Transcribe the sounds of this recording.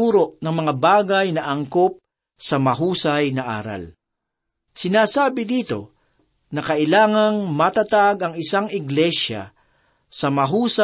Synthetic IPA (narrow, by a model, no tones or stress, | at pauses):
uːɾoʔnɐŋmɐŋabaːɡɐjnɐʔɐŋkop̚ | sɐmɐɦuːsɐjnɐʔa̰ːɾa̰l | sɪnaːsaːbɪd̪iːt̪o̞ | nɐkɐʔɪlaːŋɐŋmɐt̪at̪aɡɐŋɪsaŋɪɡlɛʃa̰ | sɐmɐɦuːs